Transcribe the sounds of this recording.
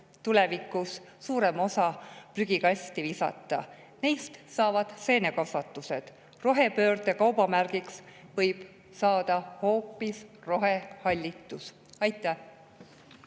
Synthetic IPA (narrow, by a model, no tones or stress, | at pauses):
t̪ule̞vikːˑusː | uːɾe̞mo̞sɑpryɡ̥ikɑsʲt̪ivisɑ̰t̪ːˑɑ̰ | nejst̪sɑːvɑd̪̥se̞ːne̞kɑsɑt̪ːˑuse̞d̪̥ | ro̞ɦe̞pø̞ːrt̪ekɑwb̥ɑmærɡ̥iksvɤ̞jb̥ | sɑːd̪̥ɑho̞ːpːˑisro̞ɦe̞hɑlʲːit̪ːˑus | ɑjt̪ːˑæ